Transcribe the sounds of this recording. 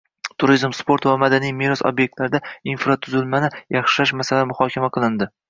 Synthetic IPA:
t̪ʰʊɾizmspo̞ɾt̪vamad̪anijmeɾɒso̰bjek̚t̪laɾɪd̪ainfɾat̪ʰʊzɪlmanɪjɑχʃɪlaʃmasalamʊhɒkʲʰamaqʰɨlˠɪnd̪ɪ

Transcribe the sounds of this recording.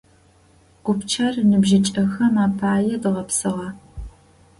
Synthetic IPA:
ɡ̥ʷʊpt͡ʃʰɐrnɨbʒɪt͡ʃʼɐxɐmaːpʰaːjɛdɨʁɐpsɨʁɐ

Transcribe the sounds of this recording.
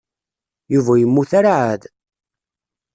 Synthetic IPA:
juvæjəmːuθæɾʕæð

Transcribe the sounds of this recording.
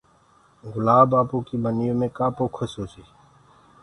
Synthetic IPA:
ɡʊlaːbaːpoːkiːbʱənjõːmẽːkaːpoːkʰʊsoːsiː

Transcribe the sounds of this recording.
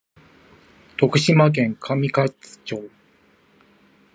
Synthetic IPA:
t̪o̞kɯ̟ɕimak̬ẽ̞ŋkʰamʲikat͡sɨ̥t͡ɕo̞ː

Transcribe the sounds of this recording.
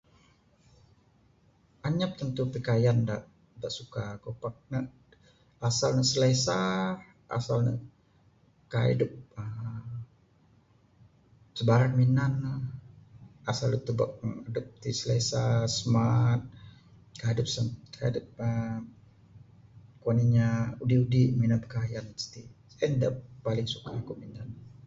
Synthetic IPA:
ʔaɲap̚t̪ənt̪upəkajandaʔ | daʔsukakopak̚nəʔ | asalnəsəlesa | ʔa̰salnə̰ | kaḭdəp̚ə | səbaɾanminanah | asalət̪ubak̚ŋədʊp̚t̪isəlesasəmat̪̚ | kaadʊp̚sənka̰dʊp̚ə | koniɲaudiudiminapkajanst̪isaandappalɪŋsukakuʔminan

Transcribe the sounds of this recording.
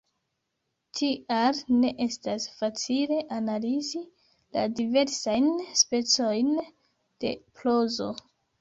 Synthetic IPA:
tʰialne̞ʔe̞stasfat͡sile̞ʔanalizi | la̰dive̞ɾsajnspe̞t͡so̞jn | d̥e̞̰plozo̞̰

